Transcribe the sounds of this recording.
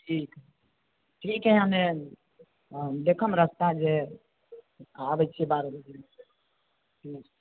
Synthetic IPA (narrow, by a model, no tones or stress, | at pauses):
ʈʰik | ʈʰikeɦame | d̪ekʰəmɾəst̪ad͡ʒe | abət͡ʃʰibaɾld̪in | i